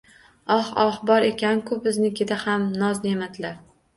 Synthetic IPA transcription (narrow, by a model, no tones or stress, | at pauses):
ɒχɒhbɒɾe̞kʲʰankʰɵp̚ɪznɪkʲʰed̪ahamnɒznemad̪ɪlaɾ